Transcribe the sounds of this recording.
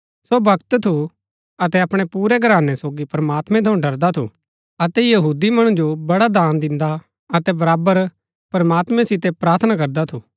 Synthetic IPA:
sobɐkt̪t̪ʰu | ɐt̪ɛɐpɽ̃ɛpuːɾɛɡɐɾaːnɛsoːɡipɾɐmaːt̪mɛ̃t̪ʰɐũɖɐɾd̪at̪ʰṵ | ɐt̪ɛjɐɦuːd̪imɐɽ̃ũd͡ʒobɐɽad̪aːnd̪ɪ̃nd̪a | ɐt̪ɛbɐɾaːbəɾ | pɐɾmaːt̪mɛ̃sɪt̪epɾaːɾt̪ʰənakɐɾd̪at̪ʰuː

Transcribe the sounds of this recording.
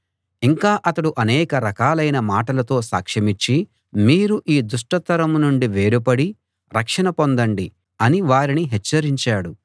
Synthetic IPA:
iŋkaːʔɐt̪ɐɽuʔɐnɛːkɐɾɐkaːlɐjnɐmaːʈɐlɐt̪o̞ːsa̰ːkʂɐmit͡ʃːi | miːɾuʔiːd̪uʂʈɐt̪ɐɾɐmnuɳɖiʋe̞ːɾupɐɽi | ɾɐkʂɐnɐpo̞nd̪ɐɳɖi | ɐniʋaːɾiniɦɛt͡ʃːɐɾiɲt͡ʃaːɽu

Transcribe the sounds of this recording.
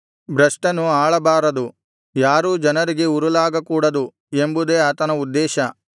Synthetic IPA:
bɾɐʂʈɐnuaːɭɐbaːɾɐd̪u | jaːɾuːd͡ʒɐnɐɾiɡe̞uɾulaːɡɐkuːɽɐd̪u | embud̪eːaːt̪ɐnɐud̪ːɛːʃɐ

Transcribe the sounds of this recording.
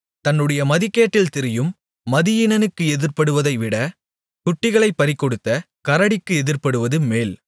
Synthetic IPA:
t̪ɐnːɯɽɐjɐmɐðɪkːeːʈːɪlt̪ɪɾɪjɯmː | ɐðɪjɪnɐnɯkːɯɛðɪɾpɐɽɯʋɐðɐɪʋɪɽɐ | kʊʈːɪɣɐɭɐɪpːɐɾɪkːɔɽɯt̪ːɐ | kɐɾɐɽɪkːɯɛðɪɾpɐɽɯʋɐðɯmeːl

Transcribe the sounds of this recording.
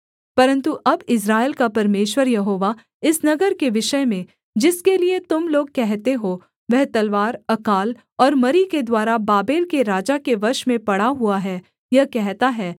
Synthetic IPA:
pɐɾə̃nt̪uʔɐbɪs̬ɾaːɪlkapɐɾmeːʃwəɾjɐɦoːʋa | ɪsnɐɡəɾkeʋɪʃəemẽ | d͡ʒɪskeliet̪ʊmloːɡ̚kɛɦt̪eɦoː | ʋɛɦt̪ɐlʋaːɾɐkaːl | ɔːɾmɐɾiked̪waːɾabaːbeːlkeɾaːd͡ʒakeʋɐɾʃmẽpɐɽaɦuaɦɛ | jɐɦkɛɦt̪aɦɛː

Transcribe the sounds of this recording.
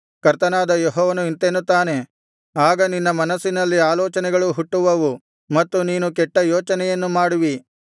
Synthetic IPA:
kɐɾt̪ɐnaːd̪ɐjɔɦɔːʋɐnuint̪enːut̪ːaːne̞ | aːɡɐninːɐmɐnɐsːinɐlːiaːlɔːt͡ʃɐnɛɡɐɭuɦuʈːuʋɐʋu | mɐt̪ːuniːnukɛʈːɐjoːt͡ʃɐnɛjɐnːumaːɽuʋi

